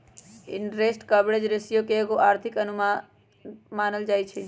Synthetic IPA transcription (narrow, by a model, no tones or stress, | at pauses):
ɪ̰ɳɾesʈkəbɽed͡ʒɾɪsijokeeɡoʔaːɾt̪ʰɪkənʊm | maːnəld͡ʒaːjt͡ʃʰe